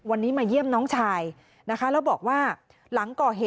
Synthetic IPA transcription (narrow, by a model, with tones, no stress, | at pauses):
wa˧nːiː˦˥maː˧ji˥˩əmnɔː˦˥ŋt͡ɕʰaː˧j | na˦˥kʰa˦˥lɛː˦˥wbɔː˨˩k̚waː˥˩ | la˩˦ŋkɔː˨˩ɦeː˨˩